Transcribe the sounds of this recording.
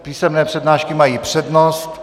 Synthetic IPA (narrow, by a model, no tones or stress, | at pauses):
piːsɛmnɛːpr̝̥ɛdnaːʃkɪmajiːpr̝̥ɛdnost̪